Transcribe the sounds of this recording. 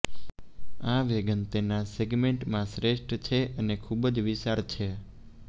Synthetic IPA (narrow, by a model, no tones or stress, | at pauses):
aʋeɡənt̪enaseɡmeɳʈmãsɾeʃʈt͡ʃʰeʔənekʰubəd͡ʒʋiʃaɾt͡ʃʰe